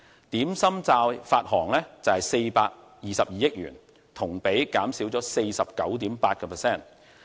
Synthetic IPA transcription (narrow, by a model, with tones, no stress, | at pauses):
t̪iː˨˥msɐ˥mt͡saː˧wfaː˧t̚hɔː˨˩ŋlɛː˥t͡sɐ˨hɐ˨jse˧jpaː˧k̚ | jiː˨sɐ˨p̚jiː˨jɪ˥k̚jy̰ː˨˩n | t̪ʰʊ˨˩ŋpe˨˥jkaː˨˥msiː˨˥wt͡sɔː˨˥se˧jsɐ˨p̚kɐ˨˥wt̪iː˨˥mpaː˧t̚kɛ˧pʰɛ˨˩sɛː˥˩n